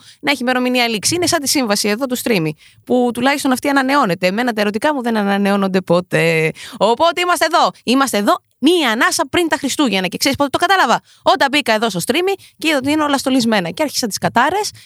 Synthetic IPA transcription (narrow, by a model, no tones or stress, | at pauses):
nɐeçime̞ɾo̞miniɐliksiinesɐnt̪isiɱvɐsie̞ðo̞t̪̬ust̪ɾimi | put̪ulɐçist̪o̞nɐft̪iɐnɐne̞o̞ne̞t̪e̞me̞nɐt̪ɐeɾo̞t̪̬ikɐmuðe̞nɐnɐne̞o̞no̞nd̪e̞po̞t̪e̞o̞po̞t̪eimɐst̪eðo̞imɐst̪eːðo̞ | miɐnɐsɐpɾint̪ɐxɾist̪uʝenɐce̞kseɾispot̪et̪okɐt̪ɐlɐvɐ | o̞t̪ɐbikɐe̞ðo̞st̪o̞st̪ɾimi | ceiðot̪iineolɐst̪o̞lizme̞nɐceɐɾçi̥sɐt̪iskɐt̪ɐɾe̞s